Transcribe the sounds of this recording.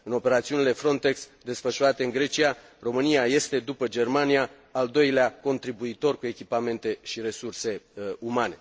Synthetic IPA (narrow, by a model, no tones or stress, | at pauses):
ɨno̞pe̞ɾat̪siunile̞fɾo̞nt̪e̞ksd̪e̞sfəʃuɾat̪e̞ɨŋɡɾe̞t͡ʃia | ro̞mɨnijaje̞st̪e̞d̪upəd͡ʒe̞rmanijaː | ld̪o̞jleako̞nt̪ɾibuit̪o̞rkue̞kʲipame̞nt̪e̞ʃiɾe̞surse̞umane̞